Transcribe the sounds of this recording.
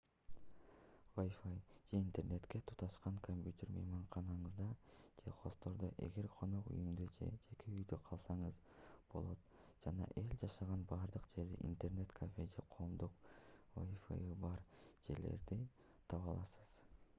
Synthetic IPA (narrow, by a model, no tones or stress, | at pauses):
vojfajd͡ʒe̞int̪e̞rne̞t̪ke̞t̪ʰu̥t̪ɑʃqɑŋkʰomʲpʲjut̪ʲe̞rmɑ̰jmɑɴqɑnɑɴɯzd̪ɑd͡ʒe̞qʰo̞st̪o̞ɾd̪oʔe̞̰ɡe̞ɾqʰo̞no̞qṵjymd̪od͡ʒe̞̰d͡ʒe̞kʰeyjd̪øqʰɑlˠsɑɴɯz | b̥o̞lˠo̞t̪ | d͡ʒ̥ɑnɑ̰ʔe̞lʲd͡ʒɑʃɑʁɑnbɑːɾd̪ɯqd͡ʒe̞ɾd̪ḭʔḭnt̪e̞rne̞t̪kʰafʲed͡ʒe̞̰qʰo̞ːmd̪uqvo̰jfḛjibɑɾd͡ʒe̞ɾle̞̰ɾd̪i | t̪ʰɑβɑlˠɑsɯ̥z̥